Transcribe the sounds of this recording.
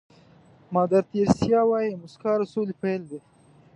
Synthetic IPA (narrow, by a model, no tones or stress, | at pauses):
mɑːd̪aɾt̪eɾsjɑwɑjimʊskɑːɾasolipajld̪e